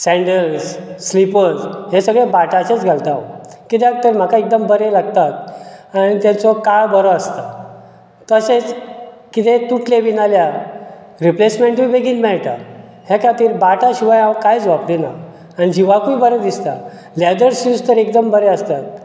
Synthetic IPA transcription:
sɛ̃ɳɖəlsːlipət͡sɦesəɡɭebaʈaset͡sɡʱalt̪a | kit̪at̪əɾm̤akaek̚d̪əmbəɾelaɡ̚t̪at̪aɽ̃it̪ãt͡sɔkaɭbəɾɔəst̪a | t̪əset͡s | kit̪ʰet̪uʈʰleʋinalja | ɾiplesmẽɳʈʋibeɡiːnmɛɭʈ̪a | hekʰat̪iːɾbaʈaɕiʋajãwkajt͡sʋaplenaː | nid͡ʑiʋakuibəɾəd̪ist̪a | lad̪əɾsust̪əɾekd̪əmbəɾeəst̪at̪̚

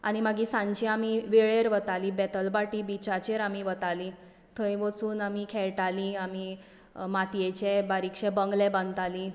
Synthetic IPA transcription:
a̰ɽ̃imaɡisãɲt͡ɕiamiʋeɭeɾʋət̪alibɛt̪əlbaʈibit͡ɕat͡ɕeɾamiʋət̪ali | t̪ʰəjʋət͡suːnamikʰɛɭʈaliami | mat̪ijet͡ɕebaɾikʂebəŋɡlẽbə̃nt̪ali

